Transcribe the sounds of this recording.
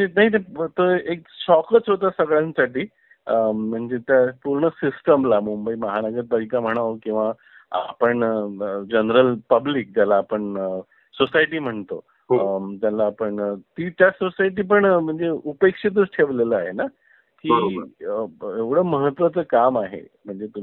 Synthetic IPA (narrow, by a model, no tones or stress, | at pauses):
enaɦit̪ət̪oek̚ɕɔkət͡sɦot̪asəɡɭjãnsaʈiː | əm̤əɳd͡zet̪japuɾɳəsisʈəmlamumbəiːməɦanəɡəɾbəɾik̪am̤əɽ̃aʋokĩw̃ʋa | a̰pəɳd͡ʑənɾəlpəblik̚d͡ʑjalaːpəɳə | sosajʈiːm̤əɳt̪o | t̪jalaːpəɳt̪iːt̪jasosajʈ̬iːp̬əɳm̤əɳd͡zeupekʂit̪̬əɾʈʰeʋleləaɦena | kiəeʋɽ̤əːməɦət̪ʋat͡səːkamaɦḛ | m̤əɳd͡zet̪u